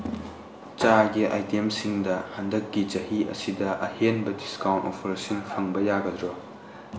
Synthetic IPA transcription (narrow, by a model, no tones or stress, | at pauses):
t͡ʃaɡiʔa̰jtemsiŋdɐhandɐkːit͡ʃɐhiɐ̰sidɐʔɐhenbɐdiskawnto̰pʰɐɾsinpʰɐŋbɐjaɡɐdɾo